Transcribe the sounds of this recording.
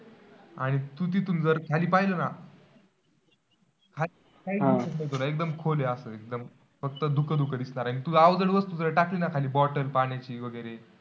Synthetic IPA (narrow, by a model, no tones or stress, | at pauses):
aɽ̃it̪ut̪̬it̪und͡zəɾkʰaliːpajləna | kʰali | kajĩsəkmət̪olaek̚d̪əmkʰoleasəːek̚d̪əm | fək̚t̪əd̪ukəd̪ukəd̪isɳaɾaɽ̃iit̪uaʋd͡zəɽʋəst̪ud͡zəɾəʈaklinakʰaliːbɔʈəlpaɽ̃jat͡ɕiːʋəɡəjɾe